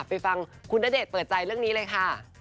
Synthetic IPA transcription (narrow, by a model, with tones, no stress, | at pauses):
pa˧jfa˧ŋkʰu˧nːaː˦˥deː˨˩t̪̚pɤː˨˩t̪̚t͡ɕa˧jɾɯ˥˩əŋniː˦˥lɤː˧jkʰa˥˩